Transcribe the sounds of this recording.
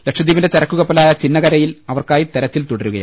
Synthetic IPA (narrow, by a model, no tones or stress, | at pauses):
lekʂɐd̪iːʋɐndet͡ɕɐɾɐkːuɣɐpːɐlaːjɐt͡ɕinːɐɣɐɾɐjilɐʋɐrkaːjit̪eɾɐt͡ɕːilt̪uɽɐɾuɣɐjaː